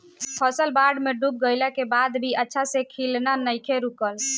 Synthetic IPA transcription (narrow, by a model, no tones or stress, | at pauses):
pʰɔsəlbaɖmeɖup̚ɡəɪlakebad̪bʱiətːʃʰasekʰilnanəjkʰeɾukəl